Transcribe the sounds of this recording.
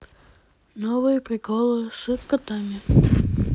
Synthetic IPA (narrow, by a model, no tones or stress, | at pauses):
nɔvɨjəpɾʲɪkɔlˠɨʂɨt̪kɐt̪amʲɪ